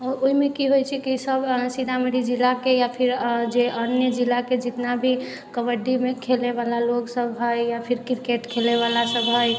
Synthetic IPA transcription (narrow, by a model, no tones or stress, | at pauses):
ɔɾoɦimekiɦojt͡ʃʰɛkisəbsid̪aməɽid͡ʒilːakejapʰiɾd͡ʒeʔənjəd͡ʒilːaked͡ʒit̪nabʱi | kəʋəɖːimekʰelebalaloksəbɦəjjapʰiɾkiɾkeʈkʰeleβalasəbɦəj